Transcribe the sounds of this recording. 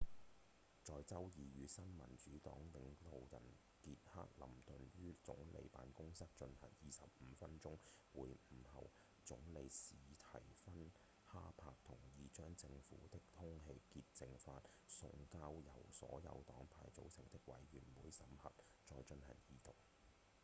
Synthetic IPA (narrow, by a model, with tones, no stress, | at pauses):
t͡sɔː˨˧jt͡sɐ˥wjiː˨ɥyː˨˧sɐ˥nmɐ˨˩nt͡ʃyː˨˥t̪ɔ̰ː˨˥ŋlɪ˨˧ŋt̪o˨wjɐ̰˨˩n | kiː˧t̚ha̰ː˥k̚lɐ˨˩mt̪ɵ˨njyː˥t͡sʊ˨˥ŋlḛ˨˧jpa̰ː˨˧nkʊ˥ŋsɐ˥k̚t͡ʃɵ˧nhɐ̰˨˩ŋjiː˨sɐ˨p̚m̩ː˨˧fɐ˥nt͡sʊ˥ŋwuː˨˧jm̩˨˩hɐ̰˨w | t͡sʊ˨˥ŋle˨˧jsiː˨t̪ʰɐ˨˩jfɐ˥n | haː˥pʰaː˧k̚t̪ʰʊ˨˩ŋjiː˨˧t͡ʃœː˥ŋt͡sɪ˧ŋfuː˨˥t̪ɪ˥k̚t̪ʰʊ˥ŋɦe˧jki˧t̚t͡sɪ˨ŋfaː˧t̚ | sʊ̰˧ŋkaː˥wjɐ˨˩wsɔ̰ː˨˥jɐ̰˨˧wt̪ɔː˨˥ŋpʰaː˨jt͡so˨˥wsʰɪ˨˩ŋt̪ɪ˥k̚wɐ̰˨˥jɥyː˨˩nwuː˨˧˥jsɐ˨˥mhɐ˨t̚ | t͡sɔː˧jt͡ʃɵ˧nhɐ̰˨˩ŋjiː˨˧t̪ʊ˨k̚